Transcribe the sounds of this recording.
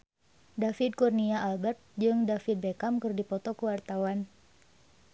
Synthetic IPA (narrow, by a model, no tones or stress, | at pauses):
dafid̪̚kurniaːlbɛrt̪̚d͡ʒɨŋdafid̪̚bekamkɨrdipɔt̪ɔkəwart̪awan